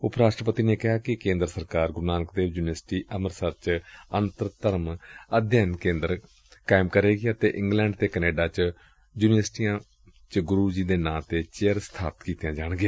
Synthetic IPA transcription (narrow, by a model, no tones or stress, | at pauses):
ʊpɾaːʃʈɾəpət̪iːneːkɪɦaːkɪkẽːnd̪ɾəsəɾkaːɾɡʊɾnaːnəkd̪eːʋjuːnəsʈiːʔəməɾsəɾt͡ʃənt̪əɾt̪əɾməd̪ʱjaːnkẽːnd̪əɾ | kaːɪmkəɾeːɡiət̪eːʔɪ̃ŋɡlɛːɳɖt̪eːkəneːɖaːt͡ʃ | juːnɪʋəsʈijãː | t͡ʃɡʊɾuːd͡ʒiːd̪eːnãːt̪eːt͡ʃejəɾst̪ʰaːpət̪kiːt̪jãːd͡ʒaːɳ̃ɡɪjaː